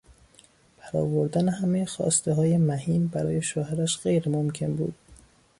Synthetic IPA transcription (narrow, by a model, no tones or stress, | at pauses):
pʰæɾɒ̰ːvoɾd̪ænehæmejexɒ̰ːst̪eɦɒːje̞mæhiːmbæɾɒ̰ːje̞ʃoːhæɾæʃɢ̥ejɾemomcʰe̞nbṵːd̪̥̚